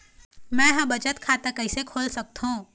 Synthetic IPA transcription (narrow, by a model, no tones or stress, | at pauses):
mɛ̃jɦãbɐt͡ʃət̪kʰaːt̪akɐɪsekʰoːlsɐk̚t̪ɦũː